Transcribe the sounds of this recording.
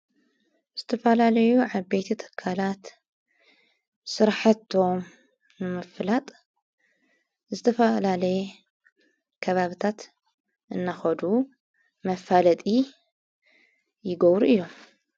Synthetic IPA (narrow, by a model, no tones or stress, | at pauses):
z̥ɨt̪ʰɐfɐlalɐjuʕabejt̪ʰit̪ʰɨ̥kʰːalat̪ | sɨɾħat̪ʰo̞m | nɨmɐflat̪ʼ | zɨt̪ʰɐfɐlalɐj | kʰɐβaβɨt̪ʰat̪ | ʔɨnːaxɐd̪u | mɐfalɐt̪ʼi | jɪɡɐβɾuɨjːo̞m